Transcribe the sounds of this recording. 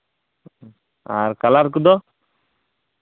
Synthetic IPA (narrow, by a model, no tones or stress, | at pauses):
a̰ɾkalaɾkud̪ɔ